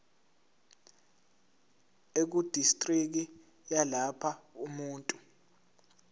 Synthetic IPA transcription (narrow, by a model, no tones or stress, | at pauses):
ek̬ud̥ʱistʼrik̬i | jalapʰaumuːntʼu